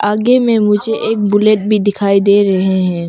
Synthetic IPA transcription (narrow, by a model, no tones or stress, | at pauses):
aːɡemẽmʊd͡ʒʱeʔeːk̚bʊleːʈ̚bʱid̪ɪkʰaːid̪eːɾɐɦeɦɛ̃ː